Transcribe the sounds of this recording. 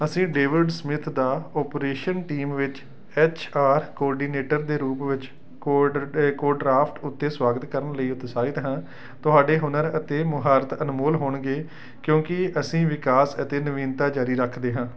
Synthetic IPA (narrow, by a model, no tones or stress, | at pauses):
əsĩːɖeːʋɪɖsəmɪt̪ʰd̪aːɔːpɾeːʃənʈiːmʋɪt͡ʃ | ɛːt͡ʃʰaːɾkɔːɾɖiːneːʈəɾd̪eːɾuːpʋɪt͡ʃː | koːɾɖɾaːpʰʈʊt̪ːeːswaːɡət̪kəɾəɳləiːʊt̪saːɪt̪ɦãː | t̪ʊɦaːɖeːɦʊnəɾət̪eːmʊɦaːɾət̪ənmoːlɦoːɳɡeː | kjõːkɪʔəsĩːʋɪkaːsət̪eːnəʋiːnt̪aːd͡ʒaːɾiːɾəkʰd̪eːɦãː